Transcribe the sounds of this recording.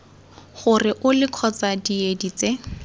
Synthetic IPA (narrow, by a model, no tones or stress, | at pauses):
χʊrɪʔʊlɪkʰɔt͡sadiedit͡se